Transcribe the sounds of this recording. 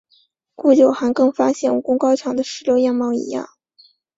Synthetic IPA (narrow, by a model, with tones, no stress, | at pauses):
ku˥˩t͡ɕjo˨˩ʊxa˧˥kɤ˥˩ŋfa˥ɕjɛ˥˩nu˨˩kʊ˥ŋkɑ˥ʊʈ͡ʂʰjɑ˨˧˥ŋd̪ə˧ʂɻ̩˧˥ljo˧˥ʊjɑ˥˧ŋmɑ˥˩ʊḭ˧˥jɑ̰˥˩ŋ